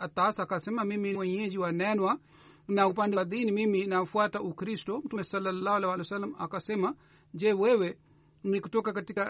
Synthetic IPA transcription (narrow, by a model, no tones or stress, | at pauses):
atasakasɛmamimiwɛɲɛd͡ʒiwanɛnwa | naupandɛwðinimiminafwataʔukɾistɔm̩tumɛsɔlːalahalɛhwalɛwsalːama̰kasɛma | d͡ʒɛwɛwɛ | nikutɔkakatika